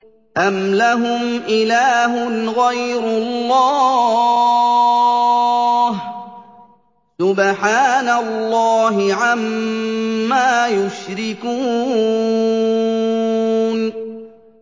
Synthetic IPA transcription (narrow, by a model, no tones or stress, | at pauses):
ʔamlaɦʊmʔɪlaːɦʊnɣajɾʊlːɑː | h | sʊbħaːnalːɑːɦɪʕamː | aːjʊʃɾɪkuː | n